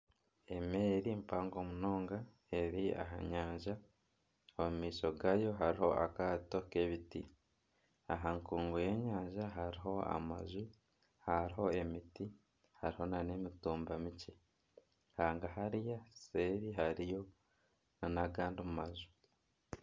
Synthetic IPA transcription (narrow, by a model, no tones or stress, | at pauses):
e̞meːɾimpaːŋɡo̞muno̞ːŋɡa | e̞ɾia̰ɦa̰ɲaːɲʒa | omumiːso̞ɡajo̞ɦaɾiho̞ʔa̰kaːto̞keβiti | a̰ɦaŋkuːŋɡoje̞ːɲaːɲʒaɦaɾiɦo̞a̰ma̰zu | haɾiɦo̞e̞miti | haɾiho̞nane̞mituːmbamice | haːŋɡahaɾijase̞ːβiɦaɾijo̞ | nanaɡaːndimumazu̥